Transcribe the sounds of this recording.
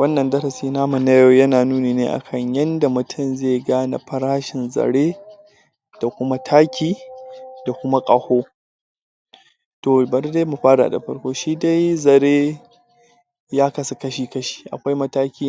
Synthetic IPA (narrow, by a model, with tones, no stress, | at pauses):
wɐ˦nːɐ˨ndɐ˦ɾɐ˨siː˦naː˦mu˨nɐ˦joː˨jɐ˦naː˨nuː˦neː˨neː˦ʔa̰˨kʰɐ˦˨ɲjɐ˦nda˨mʊ˦tʰʊ˦˨nzeː˦˨ɡaː˦na̰˨ɸɐ˦ɾaː˦ʃɪ˨nzɐ̰˨ɾeː˦ | d̥a˨kʷʊ˦ma˦tʰaː˦kʲiː˦d̥a˨kʷʊ˦ma˦kʼɐ˨hoː˦ | toː˨bɐ˨rde˦mu˨ɸaː˦ɽa̰˨da̰˨ɸɐ˦ɽkʷoː˦ʃiː˦da˦jzɐ˨ɾeː˦ | jaː˦kɐ˨sa˨kɐ˦ʃiː˦kɐ˦ʃi̥ː˨ʔa̰˨kʷa˦jmɐ˦taː˦kʲiː˦